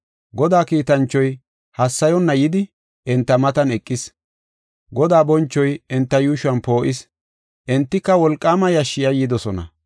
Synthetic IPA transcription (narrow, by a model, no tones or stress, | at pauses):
ɡɔd̪aːkiːt̪ɐnt͡ʃːɔj | hɐsːɐjɔnːɐjɪd̪ɪ | ʔɛnt̪ːɐmɐt̪ɐnɛkʼːɪs | ɡɔd̪aːbɔnt͡ʃːɔjɛnt̪ːɐjuːʃʊɐnpo̞ːʔɪs | ʔɛnt̪ːɪkːɐwɔlkʼːaːmɐjɐʃːɪjɐjːɪd̪ɔsɔnɐ̰